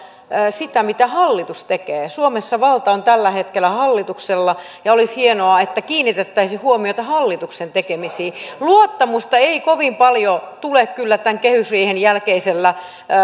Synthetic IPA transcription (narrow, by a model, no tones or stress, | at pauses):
sit̪æmit̪æhɑlːit̪ust̪ekeːsuomesːɑʋɑlt̪ɑont̪ælːæhet̪kelːˑæhɑlːit̪ukselːɑ | jɑolishienoɑet̪ːækiːnːit̪et̪ːæisihuomiot̪ɑhɑlːit̪uksent̪ekemisiːluot̪ːɑmust̪ɑeikoʋimpɑljot̪ulekkylːæt̪æŋkehysriːhenjælkeiselːæ